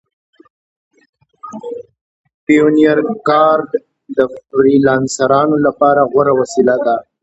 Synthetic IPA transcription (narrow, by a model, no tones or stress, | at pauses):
pijonijaɾkɑɾɖ | d̪əfɾilɑnsaɾɑnolapɑɾaɣwaɾawasilad̪a